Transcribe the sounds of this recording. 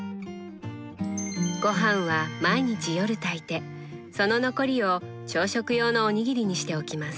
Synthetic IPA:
ɡ̥o̞ɦãɰ̃βamaiɲ̟it͡ɕijo̞ɾɯ̟t̪ait̪e̞ | so̞no̞no̞ko̞ɾʲio̞ | t͡ɕo̞ːɕo̞kɯ̟jo̞ːnoːɲ̟iɡʲiɾʲiɲ̟iɕi̥t̪e̞o̞kʲimasɨ̥

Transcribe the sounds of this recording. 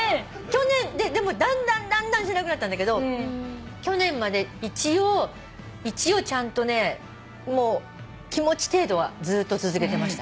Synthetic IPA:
kʲo̞nẽ̞nd̪e̞d̪e̞mo̞d̪ãnd̪ãnd̪ãnd̪ãɰ̃ɕenakɯ̟nat̪ːand̪ake̞d̪o̞ | kʲo̞nẽ̞mmːad̪e̞it͡ɕio | it͡ɕio̞t͡ɕãnt̪o̞ne̞ | mo̞ː | kʲimo̞t͡ɕi̥t̪e̞ːd̪o̞βad͡zɨːt̪ːot͡sɨzɨke̞t̪e̞maɕi̥t̪a

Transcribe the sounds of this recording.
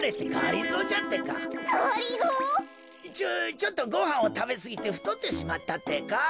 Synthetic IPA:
ɾe̞t̪ːekaːɾʲizoːt͡ɕat̪ːe̞ka̰oɾiɡo | it͡ɕot͡ɕo̞t̪ːo̞ɡo̞hãɰ̃o̞t̪abe̞sɨɡʲit̪e̞ɸɯ̟̥t̪o̞t̪ːe̞ɕimat̪ːat̪ːe̞ka

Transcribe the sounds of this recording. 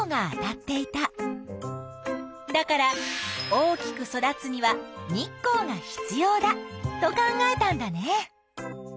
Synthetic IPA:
ŋa̰ːt̪at̪ːe̞it̪a | d̪akaɾao̞ːkʲi̥kɯ̟so̞d̪at͡sɨɲ̟iβaɲikːo̞ːŋaçi̥t͡sɨjo̞ːd̪at̪o̞kãŋɡae̞t̪ãnd̪ane

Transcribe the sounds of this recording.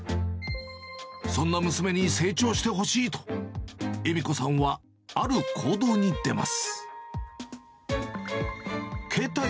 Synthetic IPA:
sõ̞nːamɯ̟sɨme̞ɲ̟ise̞ːt͡ɕo̞ːɕi̥t̪e̞ɦo̞ɕiːt̪o̥ | emʲiko̞sãɰ̃βa | aɾɯ̟kʰo̞ːd̪o̞ːɲ̟id̪e̞ma̰sɨ̥ | kʰe̞ːt̪a

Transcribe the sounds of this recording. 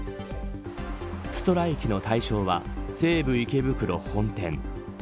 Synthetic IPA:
sɨ̥t̪o̞ɾaikʲino̞t̪aiɕo̞ːβa̰z̥e̞ːbɯ̟ike̞bɯ̟kɯ̟ɾo̞hõ̞nt̪ẽ̞ŋ

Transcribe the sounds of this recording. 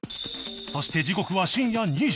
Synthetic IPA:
so̞ɕi̥t̪e̞d͡ʑiko̞kɯ̟βaɕĩɰ̃jaɲʲi

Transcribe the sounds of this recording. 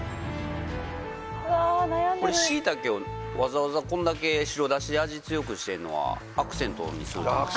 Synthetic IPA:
ko̞ɾeɕiːt̪ake̞o | βazaβazakõ̞nd̪ake̞ɕiɾo̞d̪aɕid̪eaʑit͡sɨjo̞kɯ̟ɕi̥t̪e̞ɾɯ̟no̞̰βa̰ | akɯ̟̥sẽ̞nt̪o̞̰ɲ̟ḭsɨɾɯ̰

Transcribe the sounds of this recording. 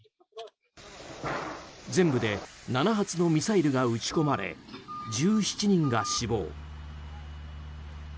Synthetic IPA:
d͡zẽ̞mbɯ̟d̪e̞nanaɦat͡sɨno̞mʲisaiɾɯ̟ɡaɯ̟t͡ɕi̥ko̞maɾe̞̰d͡ʑɨːɕi̥t͡ɕiɲ̟ĩŋɡaɕibo̞̰ː

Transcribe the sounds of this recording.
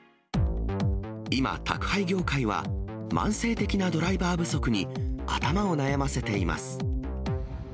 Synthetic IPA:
ima̰t̪a̰kɯ̟̥haiɡʲo̞ːkaiβa̰ | mã̰ɰ̃se̞ːt̪e̞kʲinad̪o̞ɾaibaːbɯ̟so̞kɯ̟ɲ̟ia̰t̪amao̞najamase̞t̪e̞ima̰sɨ̥

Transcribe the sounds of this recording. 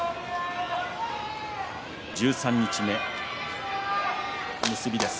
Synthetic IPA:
d͡ʑɨːsãɲ̟ːit͡ɕime̞ | mɯ̟sɨbʲid̪e̞sɨ̥

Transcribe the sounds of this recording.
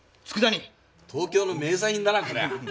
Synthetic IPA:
t͡sɨ̥kɯ̟d̪aɲʲi | t̪ʰo̞ːkʲo̞ːnome̞ːz̬aĩnd̪anakɯɾḛ

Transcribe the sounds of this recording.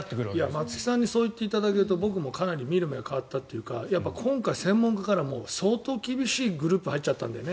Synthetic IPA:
ijamat͡sɨ̥kʲi̥sãɲ̟ːiso̞ːit̪ːe̞it̪ad̪ake̞ɾɯ̟t̪o̞bo̞k̬ɯ̟mo̞kanaɾʲimʲiɾɯ̟meɡakaβat̪ːat̪ːe̞jɯ̟ka̰japːakʰõ̞ŋkaisẽ̞mːõŋkakaɾamo̞ːso̞ːt̪o̞ːkʲibʲiɕiːɡɯ̟ɾɯ̟ːpɯ̟hait͡ɕːat̪ːã̰nd̪ḛne

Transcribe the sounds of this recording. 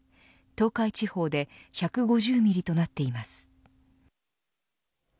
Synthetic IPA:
t̪o̞ːkait͡ɕiho̞ːd̪e̞çakɯ̟ɡo̞ʑɨːmʲiɾʲit̪o̞nat̪ːe̞imasɨ̥

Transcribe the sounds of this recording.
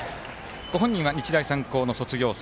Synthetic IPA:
ɡ̥o̞ɦõ̞ɲ̟ːĩɰ̃βaɲ̟it͡ɕid̪aisãŋko̞ːno̞so̞t͡sɨɡʲo̞ːs

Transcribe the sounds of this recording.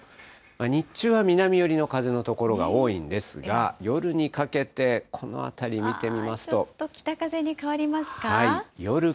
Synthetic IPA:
maɲ̟it͡ɕɨːβamʲinamʲijo̞ɾʲino̞kazeno̞t̪o̞ko̞ɾo̞ɡa̰o̞ːĩnd̪e̞sɨɡa̰jo̞ɾɯ̟ɲ̟ikake̞t̪e̞kʰo̞no̞̰a̰t̪aɾʲimʲit̪e̞mʲimasɨ̥t̪o̞t̪ːokʲi̥t̪akaze̞ɲ̟ikaβaɾʲimasɨ̥kahaijo̞ɾɯ̟

